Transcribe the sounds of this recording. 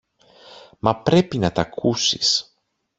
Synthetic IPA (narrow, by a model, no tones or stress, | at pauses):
mɐpɾe̞pinɐt̪ɐkʰusi̥̰s